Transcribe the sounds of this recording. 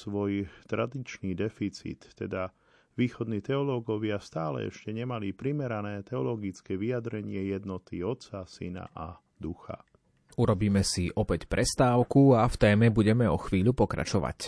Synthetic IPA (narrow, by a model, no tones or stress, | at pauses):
sʋɔjt̪ɾad̪it͡ʃniːd̪ɛfit͡sḭːt̪ːɛd̪a | ʋiːxɔd̪niːt̪ɛɔlɔɡɔʋɪast̪aːlɛ̰ɛ̰ʃcɛɲɛmalipɾimɛɾanɛːt̪ɛɔlɔɡit͡skɛːʋiad̪ɾɛɲɪɛjɛd̪nɔt̪iɔt̪t͡sasḭna̰ʔa | d̪uxa̰ | uɾɔbiːmɛsiʔɔpɛcpɾʔɛst̪aːʊkuaft̪ɛːmɛbuɟɛmɛɔxʋiːʎupɔkɾa̰t͡ʃɔʋa̰c